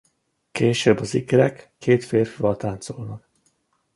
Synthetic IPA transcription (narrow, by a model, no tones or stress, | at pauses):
keːʃøbːɒzikɛɾɛkːeːt̪feːrfivɒlt̪aːnt̪solnɒk